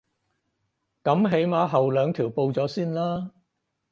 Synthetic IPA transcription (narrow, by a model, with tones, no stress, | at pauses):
kɐ˨˥mɦe˨˥jmaː˨˧ɦɐ˨wlœː˨˧ŋt̪ʰiː˨˩wpo˧wt͡sɔː˨˥siː˥nlaː˥